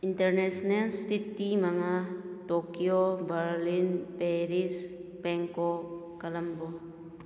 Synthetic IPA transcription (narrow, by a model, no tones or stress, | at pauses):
intəɾnesnɛlst̪it̪imaŋatokiobəɾlinpeɾispɛŋkɔ | kalambɔ